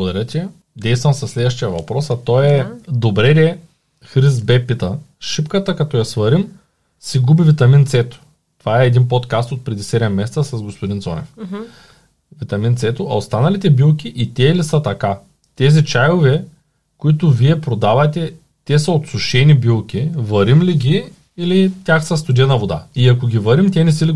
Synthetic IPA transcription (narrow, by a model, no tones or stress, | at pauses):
bɡod̪ɐɾət̪ʲɛ | d̪ɛjst̪vɐmsɐslɛd̪vɐʃ̬t̪ijɐvɐpɾɔsɐt̪ɔɛd̪obɾɛɾɛ | xɾizbɛpːit̪ɐʃipkət̪əkɐt̪ɔjɐsvɐɾim | sɛɡubivit̪ɐmint̪sɛt̪ʊ̥ | t̪ovaɛːd̪inpot̪kast̪ot̪̚pɾɛd̪isɛɾɛmɛst̪ɐsɐzɡospod̪insɔnɛ̰f | vit̪ɐmint̪sɛt̪ʊʔɐ̰ost̪anɐlit̪ɛbilˠkʲiʔit̪ʲɛlisət̪ɐka | t̪ɛzit͡ʃajovɛ | koit̪ʊviɛpɾod̪avɐt̪ɛ | t̪ɛsɐot̪sʊʃɛnibilˠkʲivɐɾimliɡʲiː | lit̪ʲaxsɐst̪ʊd̪iənɐvod̪a̰iɐkoɡʲivɐɾimt̪ʲɛnɛsili